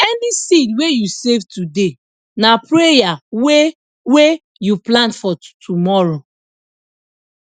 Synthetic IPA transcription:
ɛnisidwejusevtude | napɹejawe | we | juplãntfɔtʰumɔɹo

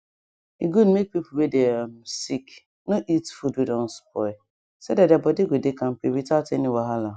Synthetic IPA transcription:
iɡudmek̚pipuwedesik | noʔitfudwidɔ̃nspʰɔ | sedadabɔdeɡʷedekam̩peɾitateniwaɦala

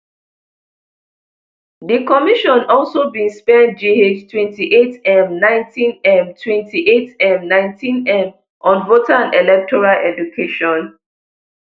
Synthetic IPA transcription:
ðikɔmiʃɔ̃nɔlˠsobĩnspɛ̃dd͡ʒeed͡ʒtʰwɛ̃ntiʔetɛ̃mnãɪ̃ntʰĩnɛ̃mtʰwɛ̃ntʰiʔetɛ̃mnãɪ̃ntʰĩnɛ̃m | ʔɔ̃nvotʰãnɛlɛk̚tʰɔɹalɛdukʰeʃɔ̃n

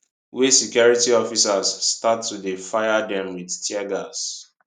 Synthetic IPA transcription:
wisɛkjɔɹitiɔfisazːtatːudefajadɛ̃mwidtʰjɛɡas

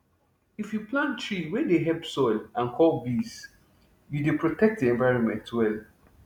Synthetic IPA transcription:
ifjuplãntɹiwɛdeɦɛbsɔɪlãnkʰɔlbis | judepɹotʰɛk̚t̚diɛ̃ɱvaɪɹɔ̃nmɛ̰̃ntwɛl

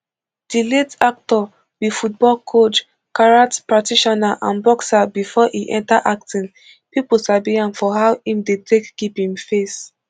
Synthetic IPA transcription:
d̥iletak̚tɔ | bifut̚bɔlkʰot͡ʃ | kaɹatpɹatiʃɔnaʔã̰nbɔksabifɔʔiʔɛ̰̃ntaʔak̚tĩn | pipl̩sabiãnfɔɦaʊĩmdetʰekɡ̥iphĩmfes

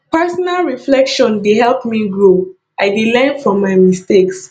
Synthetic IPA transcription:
pɛsɔnalɹiflɛkʃɔ̃ndeɦɛlˠpmiɡɹo | ʔaɪdilɛ̃nfɹɔ̃mːaɪmisteks

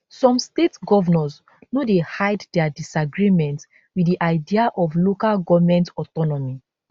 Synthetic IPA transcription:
sɔ̃mstetɡɔvɔnɔz | nodehaɪddɛadisaɡɹimɛ̃nt | wiiʔaɪdiaʔɔvlokalɡɔvmɛ̃ntɔtɔnɔmi

